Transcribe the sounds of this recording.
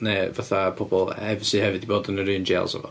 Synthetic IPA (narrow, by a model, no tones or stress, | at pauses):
nevaθapʰɔbɔlˠhɛvsɨhɛvɨdiboːdənəɾɨːnd͡ʒḛlˠsɛ̰vɔ̰